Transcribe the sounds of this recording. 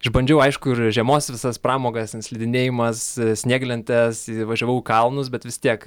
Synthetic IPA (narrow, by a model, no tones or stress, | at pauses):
ɐʒbɐnʲd͡ʒʲɛʊɐɪʃkʊɪrʒʲiɛmoːsʋʲɪsɐspɾɑːmoːɡɐsɪnsʲlʲɪd̪ʲɪnʲeːjɪmɐssʲnʲeːɡlʲɛnʲt̪ʲɛsʋɐʒʲoːʋɐʊkɐlˠnʊs̬bʲɛt̪ʋʲɪst̪ʲiɛk